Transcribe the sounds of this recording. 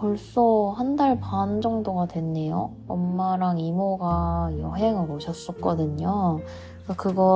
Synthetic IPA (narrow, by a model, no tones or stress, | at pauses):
kʌɭs͈ohandaɭpand͡ʑʌŋdoɡadwe̞nːe̞jo | ʌmːaɾaŋimoɡajʌɦe̞ŋaɡoɕʌs͈ʌk͈ʌdɯɲo | k͈akɯɡʌ